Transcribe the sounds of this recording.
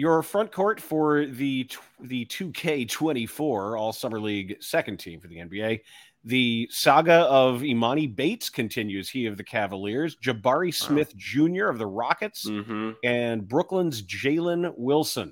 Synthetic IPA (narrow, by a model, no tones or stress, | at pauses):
jə˞fɹʌ̃nkʰɔɹtfə˞ðɨtʰðɨtʰʉkʰeɪtʰw̥ɛ̃ɾ̃ifɔɹɔlˠsʌmə˞liɡsɛkɨ̃n̩tʰḭ̃ɱfə˞ðiɛ̰̃nbieɪ | ðɨsɑɡɨʌvimɑɾ̃ibeɪtskʰɨ̃ntʰɪ̃njʉz̥hiʌvðɨkʰævəlɪɹzd͡ʒɨbɑɹismɪθd̥ʒ̥ʉ̃njə˞ʌvðəɹɑkɨtsɨ̃nbɹʊklə̃nzd͡ʒeɪlˠə̃nwɪlˠsə̃n